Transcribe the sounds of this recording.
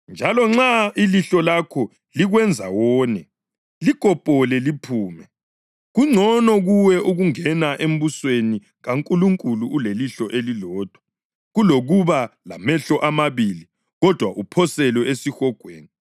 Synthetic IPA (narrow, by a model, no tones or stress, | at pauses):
nd͡ʒʱalɔŋ͡ǁailiɬɔlakʰɔ | liɣwɛnd͡zʱa̰wɔːnɛ | likʼɔpʼɔlɛlipʰuːmɛ | ɣuŋ͡ǀʱɔnɔɣuwɛʔuɣuŋɛnaʔem̩βusweni | ɣaŋkʼuluŋkʼuluuleliɬɔʔelilɔːd̥ʱwḁ | ɣuloɣuβalamɛɬɔʔamaβiːli | ɣɔd̥ʱwaʔupʰɔsɛlɔesixɔɡ̥ʱwḛːni